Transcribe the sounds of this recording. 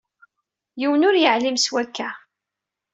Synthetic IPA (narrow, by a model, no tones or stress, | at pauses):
jiwənʊɾjəʕlimswækːæ